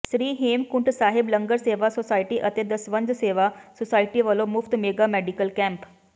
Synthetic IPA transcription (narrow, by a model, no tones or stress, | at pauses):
sɾiːɦemkuɳʈsaɦibləŋɡəɾseʋasosaiʈiːʔət̪ed̪əsʋə̃nd͡zseʋasosajʈiʋəlomuft̪meɡamɛɖikəlkɛ̃mp